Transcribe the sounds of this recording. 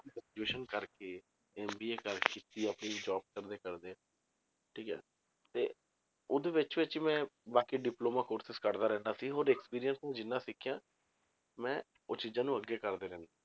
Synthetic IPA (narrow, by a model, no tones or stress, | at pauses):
ikːd͡ʒeːʃənkəɾkeː | ɛːmbiːeːkəɾkɪt̪iːəpniːd͡ʒɔːb̚kəɾd̪eːkəɾd̪eː | ʈʰiːkɛ̰ː | t̪eː | ʊd̪eːʋɪt͡ʃʋɪt͡ʃmɛ̃ːbaːkiːɖɪploːmaːkoːɾsɪskəɾd̪aːɾɛ̃ːnd̪aːsiːɦoːɾɛːkspiːɾijənsnɛ̃ːd͡ʒɪnːãːsɪkʰːjãː | mɛ̃ː | ot͡ʃɪd͡ʒãːnũːəɡːeːkəɾd̪eːɾɛ̃ːnd̪a